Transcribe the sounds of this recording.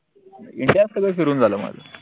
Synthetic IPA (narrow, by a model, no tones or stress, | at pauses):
iɳʈijaskəɡəfiɾuːnd͡zʱaləːma̰d͡za̰